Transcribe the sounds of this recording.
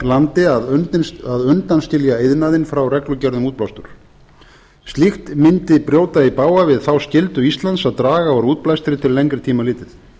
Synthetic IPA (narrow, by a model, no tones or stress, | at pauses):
lant̪ɪaðaðʏnt̪anstc̪ɪljaejðnaːðɪnfɾawrɛklʏcɛɾðʏmuːt̪̚plawst̪ʏɾ̥ | st̪lixt̪mɪnt̪ɪpɾjoːwt̪aipaːwavɪðθawscɪlt̪ʏist̪lant̪saðt̪ɾaːɣaɔɾuːt̪̚plajst̪ɪɾɪt̪ʰɪlːejŋkɾɪt̪ʰiːmalɪːt̪ɪθ